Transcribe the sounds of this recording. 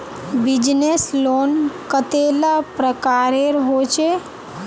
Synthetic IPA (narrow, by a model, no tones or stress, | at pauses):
bid͡ʒneslonkət̪elapɾəkaɾeɾɦot͡ʃe